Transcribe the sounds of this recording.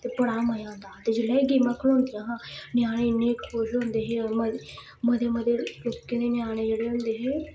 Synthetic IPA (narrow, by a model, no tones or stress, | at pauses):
t̪eːpəɽaːməjãːnd̪aːt̪eːd͡ʒeːlːaːeɡiːmaːkʰəl̃õːnd̪ijãːɦãːnɪjaːɽ̃eneːkʰoːd͡ʒɦõːnd̪eːɦeːɔɾmə | məd̪eːməd̪eːloːkːẽːneːnjaːɽ̃eːd͡ʒeːɽeːɦʊ̃ːnd̪eːɦeː